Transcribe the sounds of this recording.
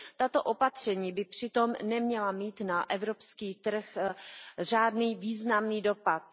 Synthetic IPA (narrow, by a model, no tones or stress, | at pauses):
t̪at̪o̞ʔo̞pat̪r̝̥ɛɲiːbɪpr̝̥ɪt̪o̞mnɛmɲɛlamiːt̪naʔɛvɾopskiːt̪r̩x | raːdniːviːznamniːdo̞pat̪̚